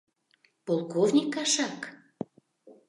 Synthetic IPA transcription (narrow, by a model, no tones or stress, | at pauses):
polˠkovnʲikːɑʃɑk